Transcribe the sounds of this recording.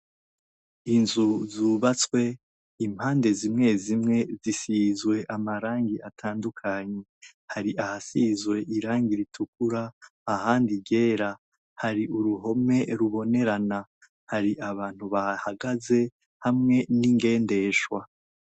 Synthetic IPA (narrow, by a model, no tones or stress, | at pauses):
inzuzuːβat͡swe̞ | im̥haːnde̞zimŋe̞zimŋe̞zisizwe̞ʔamaɾaːŋɡiʔatʰaːndukʰaɲe | haɾiʔahasizwe̞ʔiɾaːŋɡiɾitʰuk̚uɾaːhaːndiɟe̞ːɾa | haɾiuɾuɦo̞me̞ɾuβo̞ne̞ɾana | haɾiʔaβaːn̥huβahaɡaze̞ | hamŋe̞niŋɡe̞ːnde̞ʃwa